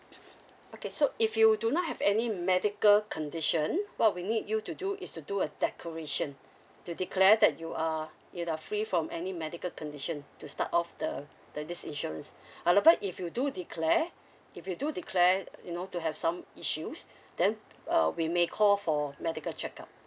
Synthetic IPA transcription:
okesoʔifjudunɔt̚hɛvɛnimɛdikəlkʰɔ̃ndiʃə̃nwɔt̚winidjutuduʔɪstuduədɛkʰəɹeʃə̃n | tudikʰlɛdɛt̚juʔa | juafɹifɹɔ̃mʔɛnimɛdikəlkɔ̃ndiʃə̃ntusta̰tɔfdəd̥ədisḭ̃nʃuɹə̃nsʔadəvaʔifjududikʰlɛ | ifjududikʰlɛjunotuɦɛvsãmiʃus | dɛ̃nʌ̰wimekʰɔlfɔmɛdikəlt͡ʃɛka̰p̚

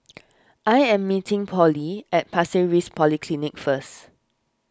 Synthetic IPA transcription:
ʔajɛ̃mːitɪ̃ŋpʰɔliɛt̚pʰasiɹispʰɔlikʰlinikfəst

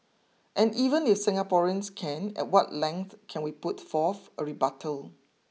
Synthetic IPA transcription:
ʔɛ̃nivə̃nɪfsɪ̃ŋapɔɹiə̃nskʰɛ̃nɛ̰t̚wɔtlɛ̃ŋkθkʰɛ̃nwiputfɔθəɹibatʰəl

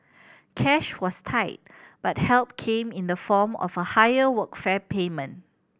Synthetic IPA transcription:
kʰɛʃwɔstʰaɪt̚b̥at̚hɛlp̚kʰẽmɪ̃ndəfɔmɔ̰vəhajəwəkfɛpʰemə̃n

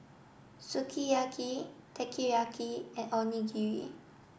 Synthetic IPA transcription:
sukʰijakʰitʰɛkʰijakʰiɛ̃nɔ̃niɡiɹḭ

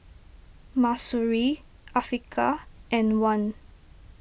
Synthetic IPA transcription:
masuɹi | ʔafɹikʰaʔɛ̃nwãn

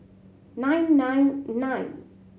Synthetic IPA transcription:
nãjnːãjnːãjn

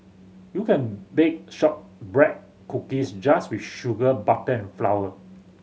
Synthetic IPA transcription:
jukɛ̃nbek̚ʃɔp̚bɹɛt̚ | kukisd͡ʒaswifʃuɡəbatəɛ̃nflawə

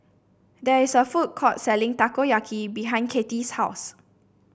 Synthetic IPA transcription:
dɛɹisəfut̚kʰɔtsɛlɪ̃ŋtakojakʰibiɦãɪ̃nkʰetishaʊs

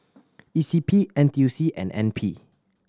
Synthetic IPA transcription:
isipʰiʔɛ̃nt̪jusiʔɛ̰̃nɛ̰̃npʰi

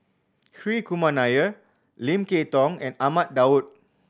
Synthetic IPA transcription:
hɹikumãnajə | lĩmketɔ̃ŋɛ̰̃namat̚daut̚

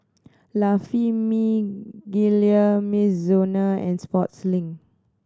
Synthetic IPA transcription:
lafimiɡiliəmiszonaɛ̰̃nspɔtslĩŋ

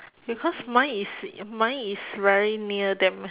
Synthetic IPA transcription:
bikʰɔsmãjismãjisvɛɹiniədɛ̃m

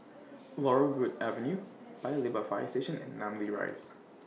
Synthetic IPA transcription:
lɔɹəlɡudɛvə̃nju | b̥aɪlibəfa̰ɪseʃə̃nɛ̰̃nːãmliɹa̰ɪs

